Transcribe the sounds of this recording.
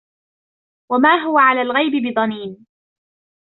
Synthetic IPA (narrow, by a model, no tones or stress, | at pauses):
wamaːɦʊwaʕalaːlɣajbɪbɪðˤɑniːn